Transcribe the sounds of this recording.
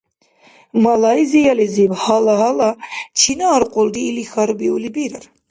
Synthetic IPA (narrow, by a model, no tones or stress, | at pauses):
malajzijalizibhalaɦalat͡ʃʰinaːɾqʼɔld̪iːlixaɾbiulibiɾaɾ